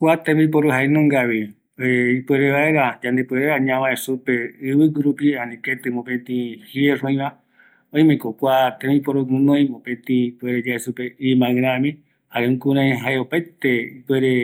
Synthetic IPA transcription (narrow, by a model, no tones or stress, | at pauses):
kʷat̪ẽmip̬oɾoɦaenõŋɡaβi | eipweɾeβaeɾad͡ʒãnd̪epweɾeɾaɲãβãesupeɨβɨɡuɾupiãnĩket̪ɨmõpẽt̪ĩhieʐõĩβã | õj̃mẽkokʷat̪ẽmipoɾoɡũnõj̃mõpẽt̪ĩpeɾed͡ʒaesupeimãɨ̃ɾ̃ãmĩ | haɾẽũŋkũɾãj̃ɦaeopajt̪eipweɾe